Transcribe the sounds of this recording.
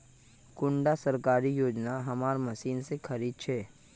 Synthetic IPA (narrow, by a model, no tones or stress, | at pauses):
kʊ̃ɳɖasɐɾkaːɾijoːd͡ʒnaɦɐmaːɾmɐsiːnsekʰɐɾiːd̪̚t͡ʃʰɛː